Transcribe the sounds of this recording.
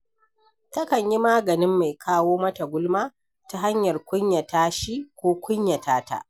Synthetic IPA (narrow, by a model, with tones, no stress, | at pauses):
tɐ˦kɐ˨ɲji˦maː˦ɡɐ˨nɪ˦mːa˨jkʰaː˦woː˦mɐ˦ta˨ɡʷʊ˦lmaː˦ | ta˦ɦa˦ɲjɐ˨rkʷʊ˦ɲja˨taː˦ʃi˦kʷoː˦kʷʊ˦ɲja˨taː˦ta̰˦ʔ